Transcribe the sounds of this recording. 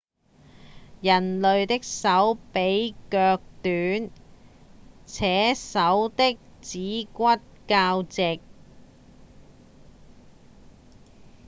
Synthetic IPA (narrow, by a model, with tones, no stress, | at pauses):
jɐ˨˩nlɵ˨ɥt̪ɪ˥k̚sɐ˨˥wpe˨˥jkœː˧k̚t̪yː˨˥n | t͡sʰɛː˨˥sɐ˨˥wt̪ɪ˥k̚t͡siː˨˥kʷɐ˥t̚kaː˧wt͡sɪ˨k̚